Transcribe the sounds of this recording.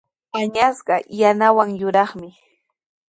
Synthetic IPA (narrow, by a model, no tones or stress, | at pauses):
paɲasɢɑjanawaŋjʊɾɑχmɪ